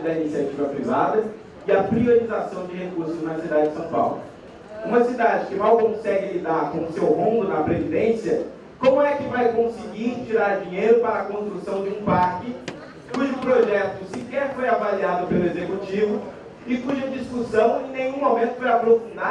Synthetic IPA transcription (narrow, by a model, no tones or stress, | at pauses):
d̪ɐinisiat͡ʃivɐpɾivad̪ɐ | ɪɐpɾioɾizasɐ̃w̃d͡ʒɪhekuɾsʊznɐsid̪ad͡ʒɪd͡ʒɪsɐ̃w̃pa̰wlʊ̰ | ũmɐsid̪ad͡ʒɪkɪmawkõsɛɡɪlid̪aɾkõʊsewhõnd̪ʊnɐpɾevid̪ẽsiɐ | kõmʊɛkɪvajkõsɪɡiɾt͡ʃiɾaɾd͡ʒĩɲejɾʊpaɾɐːkõst̪ɾusɐ̃w̃d͡ʒɪũpaɾkɪ | kuʒʊpɾoʒɛt̪ʊsikɛɾfojavaliad̪ʊpelʊezekut͡ʃivʊ | ɪkuʒɐd͡ʒiskusɐ̃w̃ẽj̃nẽj̃ũmomẽnt̪ʊ̥foɾapɾofũnd̪a